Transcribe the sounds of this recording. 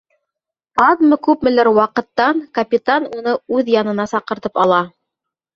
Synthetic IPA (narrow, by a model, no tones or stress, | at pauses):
ɑðmɤkʉpmɘ̆læɾwɑqɤ̆t̪ːɑŋkɐpʲit̪anunɤʉðjɑnɤ̆nɑsɑqɤ̆ɾt̪ɤpɑlˠɑ